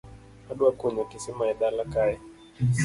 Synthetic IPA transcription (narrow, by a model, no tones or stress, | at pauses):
aɗuakuɲakisimaɛɗalakaɛ